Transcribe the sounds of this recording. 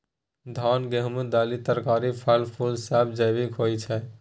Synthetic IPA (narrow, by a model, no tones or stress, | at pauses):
d̪ʱanɡeɦmed̪alit̪əɾkaɾipʰalpʰulsabd͡ʒəjbikɦojt͡ʃʰɛ